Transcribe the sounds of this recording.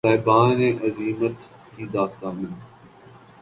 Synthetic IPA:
aːɪbãːnẽːʔəziːmət̪ | kʰiːd̪aːst̪aːmɪn

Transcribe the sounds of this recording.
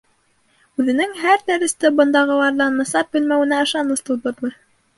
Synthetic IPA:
ʉðɘ̆nɘŋɦæɾt̪æɾɘ̆st̪ɘbɤ̆nd̪ɑʁɤ̆lˠɑɾðɑnmɤ̆sɑp̚bɵ̆lmæwɘ̆næɤ̆ʃɑnɤst̪ulˠb̪ɤ̆ɾmɤ

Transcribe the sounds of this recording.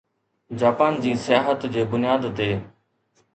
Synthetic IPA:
d͡ʑaːpaːnd͡ʑiːsɪjaːɦət̪d͡ʑeːbʊnjaːd̪t̪eː

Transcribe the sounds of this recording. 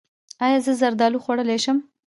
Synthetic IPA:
ɑjɑzəzaɾd̪ɑluxwaɽəleʃəm

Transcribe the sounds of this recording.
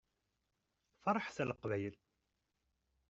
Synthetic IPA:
fɑɾˤəħsæləqvæjəl

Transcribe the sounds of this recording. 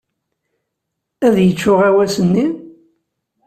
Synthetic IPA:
æðjət͡ʃːʊʁæwæsənːi

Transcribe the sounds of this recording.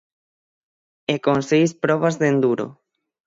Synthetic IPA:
ekõnsejspɾɔβazðend̪uɾo̰

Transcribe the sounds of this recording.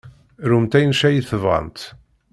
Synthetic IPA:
ɾumt̪æjnʃæjiθəvə̰nt̪

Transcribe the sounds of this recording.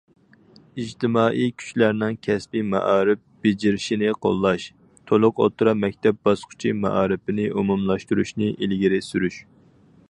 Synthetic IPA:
id͡ʒt̪ʰɪmɑːʔijkʲʰy̥t͡ʃlæɾnɪŋkʲʰɛspimɑ̰ʔɑːɾɪp̚b̥ɪd͡ʒiɾɪʃinɪqʰo̰lˠːɑʃ | t̪ʰolˠʊqo̰t̪ʰuɾɑmɛk̚ʲt̪ʰɛp̚bɑsqʰʊ̥t͡ʃʰimɑ̰ʔɑːɾɪpɪnɪʔumumlˠɑʃt̪uɾuʃnɪʔilɡʲiɾɪsyɾyʃ

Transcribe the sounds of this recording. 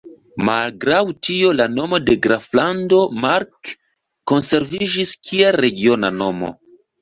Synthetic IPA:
malɡɾawtio̞lano̞mo̞de̞ɡɾaflando̞maɾkː | o̞nse̞ɾvid͡ʒiskʰiaɾe̞ɡio̞nano̞mo̞̰

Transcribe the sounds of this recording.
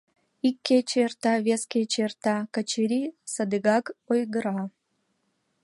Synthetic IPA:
ikʲːet͡ɕːrt̪ɑβʲeskʲet͡ɕert̪ɑkət͡ɕeɾʲisəd̪ɨɣɑkojɡəɾɑ

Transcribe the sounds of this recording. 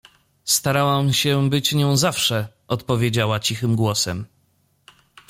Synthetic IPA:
st̪aɾawamɕɛbɘt͡ɕɲɔ̃w̃zafʂɛ | ʔɔt̪pɔvʲjed͡ʑawat͡ɕixɘmɡwɔsɛm

